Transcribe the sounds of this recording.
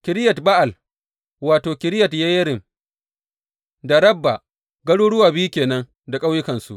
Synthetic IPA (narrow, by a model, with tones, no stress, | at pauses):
kʲɪ˨ɾɪ˦jɐ˨tba˦ʔa˨l | waː˨toː˨kʲɪ˨ɾɪ˦jɐ˨tja˦jɐ˦ɾɪ˨m | da˨ɾɐ˦bːa˨ | ɡɐ˦ɽuː˦ɽʊ˦waː˨bi˦ju˦kʲeː˨nɐ˦ŋ | da˨kʼa˦wjɪ˦kɐ˨nsṵ˨ʔ